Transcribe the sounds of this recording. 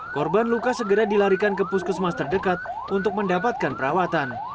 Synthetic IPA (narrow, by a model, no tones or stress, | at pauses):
kɔrbanlukasəɡəɾadilaɾikankəpuskusmast̪ərdəkat̪̚ | unt̪ʊk̚məndapat̪̚kanpəɾawat̪an